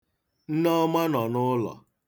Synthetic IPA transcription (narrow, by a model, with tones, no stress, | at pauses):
n̩˦nɔ˦ma˦nɔ˨nʊ˦lɔ̰˨